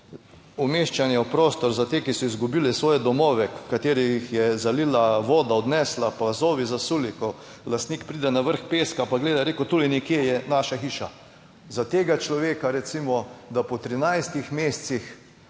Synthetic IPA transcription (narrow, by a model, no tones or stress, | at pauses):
umeʃt͡ʃanjɛwpɾoːst̪ɔɾzat̪eːkisɔizɡubilɛsʋɔːjɛd̪ɔmɔːʋɛkkːat̪eːɾijixjɛzaliːlaʋɔːd̪aɔd̪nɛslapazoːʋizasuːlikɔ | last̪niːkpɾiːd̪ɛnaʋəɾxpeːskapaɡleːd̪aɾeːkʊt̪uːlinɛkjejɛnaʃaxiːʃa | zat̪eːɡat͡ʃlɔʋeːkaɾɛt̪simɔd̪apɔt̪ɾinajst̪ixmeːst̪six